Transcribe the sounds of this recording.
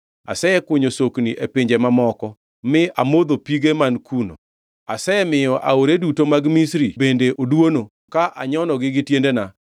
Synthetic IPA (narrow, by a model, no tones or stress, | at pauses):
a̰sɛɛkʊɲosokniʔepɪɲd͡ʒemamɔkɔ | mɪamod̪opiɡemankʰuno̰ | asɛɛmɪjɔʔa̰oɾedutomaɡmisɾibendeʔodwono | kaʔaɲɔnɔɡɪɡɪtjendena